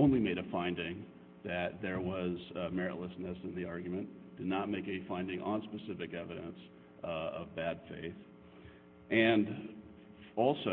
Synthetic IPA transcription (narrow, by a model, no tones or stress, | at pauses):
õʊ̃nlimeɪɾɨfãɪ̃ndɪ̃ŋ | ðɨt̪̚ðə˞wʌzmɛɹɨ̰ʔˡləsnɨsɨ̃nðiɑɹɡjmɨ̃nd̥ɨdⁿnət̚meɪkɛifãɪ̃ndɪ̃ŋʔə̃nspɨsɪfɨkɛvɨɾɨ̃ns | ʌ̰vbæd̥fḛɪθ | ʔɨ̃n | ɔlˠso